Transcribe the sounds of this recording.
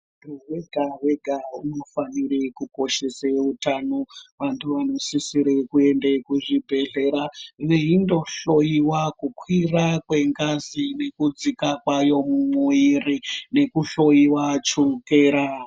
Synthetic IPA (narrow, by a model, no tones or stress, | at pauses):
tuweɡʱaʋeɡʱauno̞faniɾekuko̞ʃe̞seutanoʋantʰuʋano̞sisiɾekue̞ndekuʐibʱe̞ɮe̞ɾaʋeindo̞ɬo̞jiwakukwirakwe̞ŋɡazine̞kud͡zikakwajo̞mumuirine̞kuɬo̞iwat͡ʃukeːɾa